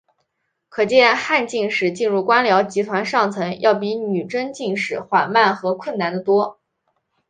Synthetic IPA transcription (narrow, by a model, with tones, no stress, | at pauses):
kʰɤ˨˩t͡ɕjɛ˥˧nxa˥˧nt͡ɕi˥˧ŋʂɻ̩˥˩t͡ɕi˥˧nɻu˥˩kwa˥nljɑ˧˥ʊt͡ɕi˧˥t̪ʰwa˧˥nʂɑ˥˩ŋt͡sʰɤ˧˥ŋjʔɑ˥˩ʊp̬i˧˥ny˨˩ʈ͡ʂə˥ŋt͡ɕi˥˧ŋʂɻ̩˥˩xwa˨˩nma˥˩nxɤ˧˥kʰwə˥˩nna˧˥nd̪ə˧t̪wɔ˥